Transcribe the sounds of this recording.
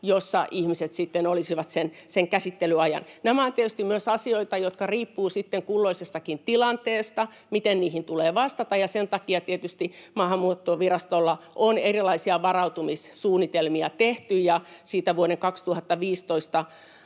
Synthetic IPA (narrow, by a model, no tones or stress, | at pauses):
josːɑ̰ʔihmiset̪sit̪ːenolisiʋɑt̪senseŋkæsit̪ːelyɑjɑ̰nnæmæont̪iet̪yst̪imyøsɑsioit̪ɑjot̪kɑriːpːuːsit̪ːeŋkulːoisest̪ɑkint̪ilɑnt̪eːst̪ɑ | mit̪enniːhint̪uleːʋɑst̪ɑt̪ɑjɑsent̪ɑkiɑt̪iet̪yst̪imɑːhɑmːuot̪ːoʋirɑst̪olːɑʔonerilɑisiɑʋɑrɑut̪umissuːnːit̪elmiɑt̪eht̪yjjɑsiːt̪æʋuoɾeŋkɑkst̪uhɑt̪ːɑʋiːst̪oist̪ɑ